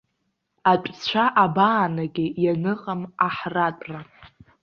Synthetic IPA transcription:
at͡ʃʷʼt͡ɕʷʰaʔabaːnaɡʲɪjanɨqʼamaħratʷʼra

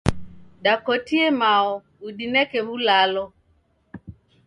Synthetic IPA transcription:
dakotiemaɔ | udinɛkeβulalɔ

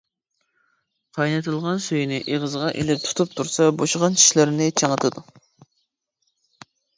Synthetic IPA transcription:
qʰɑjnɨt̪ʰɨlˠʁɑnsøjnɪʔeʁəzʁɑʔelɪp̚t̪ʰu̥t̪ʰup̚t̪ʰuɾsɑboʃʁɑnt͡ʃʰi̥ʃlɪɾɪnɪt͡ʃʰeŋət̪ʰɨd̪u

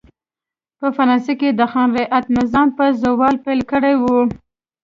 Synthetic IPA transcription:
pəfaɾɑnseked̪əxɑnɾeʔat̪mɪzɑmpəzowɑlpelkəɽajwu

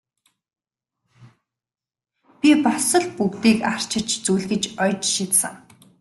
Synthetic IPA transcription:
pʲipɔsɞ̆ɮpukt̪iːkar̥t͡ɕʰɪ̆t͡ɕt͡sujɮɣɘ̆t͡ɕɔjt͡ɕʃit̪sə̰̆ŋ

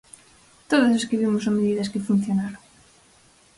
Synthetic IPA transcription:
t̪oðʊseskiβimʊsomeðiðɐskɪfun̟θjonaɾoŋ

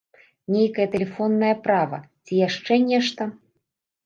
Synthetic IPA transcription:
nʲejkɐjɐt̪ɛlʲɛfɔnːɐjɐpɾavɐ̰t͡sʲijaʂt͡ʂɛnʲɛʂt̪ɐ

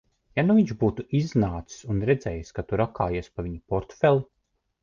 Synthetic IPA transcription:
januviɲʒbuːt̪uʔiznaːt̪ssunɾɛd̪zɛːjskat̪uɾakaːjiɛspaviɲipɔɾt̪fɛlˠu

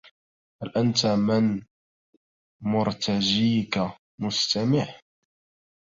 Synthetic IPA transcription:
halʔant̪amɪn | mʊɾt̪ad͡ʒiːka | mʊst̪amɪʕ

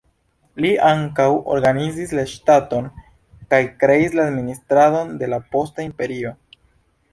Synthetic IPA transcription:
liʔaŋkawo̰ɾɡanizislaʃtato̞n | kajkɾe̞islaːdministɾado̞nde̞lapo̞staimpe̞ɾio̞

